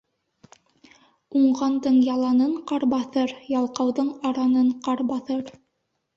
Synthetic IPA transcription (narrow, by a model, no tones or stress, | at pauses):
uɴʁɑnd̪ɤɴjɑlˠɑnɤɴqɑɾbɑθɤɾjɑlˠqɑwðɤɴɑɾɑnɤɴqɑɾbɑθɤɾ